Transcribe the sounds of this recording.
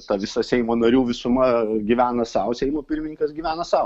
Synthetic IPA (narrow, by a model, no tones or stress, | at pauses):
t̪ɐʋʲɪsɐsʲɛɪmoːnɐɾʲuːʋʲɪsʊmɐɡʲiʋʲæːnɐsɐʊsʲɛɪmoːpʲɪrʲmʲɪnʲɪ̃ŋkɐsɡʲiʋʲæːnɐsɐʊ